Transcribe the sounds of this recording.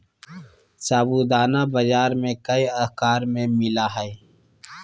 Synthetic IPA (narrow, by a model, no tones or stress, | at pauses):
saːbud̪aːnabɐd͡ʒaːɾmẽkɐiɐɦkaːɾmẽmɪlaɦɛe